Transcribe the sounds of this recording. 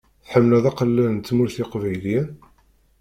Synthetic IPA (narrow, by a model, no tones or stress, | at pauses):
θħəmːəlæðæqəlːənnt̪ːmuɾθiqvæjlin